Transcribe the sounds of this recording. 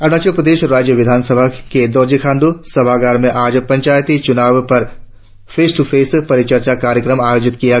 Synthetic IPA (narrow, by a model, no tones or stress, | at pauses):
ɐɾɽ̃aːt͡ʃepɾəd̪eːʃɾaːd͡ʒjəʋɪd̪ʱaːnsəbʱaked̪ɔːɾd͡ʒikʰaːnd̪usɐbʱaːɡaːɾmẽʔaːd͡ʒpɐ̃ɲt͡ʃaːjt̪it͡ʃʊnaːʋpɐɾ | pʰeːsʈupʰeːspɐɾɪt͡ʃəɾt͡ʃakaːɾjəkɾəmaːjoːd͡ʒɪt̪kija